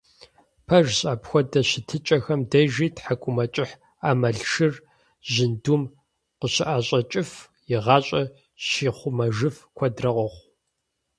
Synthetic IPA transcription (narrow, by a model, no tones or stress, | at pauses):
pʰɐʒɕʼaːpxʷɔdɐɕɪtʰɨt͡ʃʼɐxɐmdɐʒiːtħakʷʼʊmɐt͡ʃʼɪħ | aːmɐɮʃɨr | ʑɪndum | qəɕɪʔaːɕʼɐt͡ʃʼɪf | jɪʁɑːɕʼɐ | ɕiːχʷʊmɐʒɨfkʷʰɔdrɐʁʷɔχʷ